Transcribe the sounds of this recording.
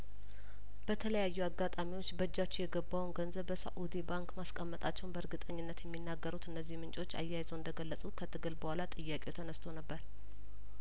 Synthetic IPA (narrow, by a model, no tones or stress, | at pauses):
b̥ət̪ʰələjajːuaɡːat̪ʼamiwo̞t͡ʃːbəd͡ʒːat͡ʃːijɛɡəbːawnɡənzəβːəsa̰ʔud̪ibaŋkmaskʼəmːət̪ʼat͡ʃːɛwnbəɾɡɨt̪ʼəɲːɪnːət̪jɛmːinːaɡːəɾut̪ɨnːəzːihmɨnt͡ʃʼot͡ʃːa̰jːajzəwɨnd̪əɡəlːəsʼut̪kʰət̪ʰɨɡɨlbəhʷalat̪ʼɨjːakʼewt̪ʰənəst̪ʰo̞nəbːəɾ